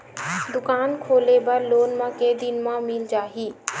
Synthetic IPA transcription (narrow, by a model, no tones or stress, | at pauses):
d̪ʊkaːnkʰoːlebɐɾloːnmãked̪ɪnmãmɪld͡ʒaːɦiː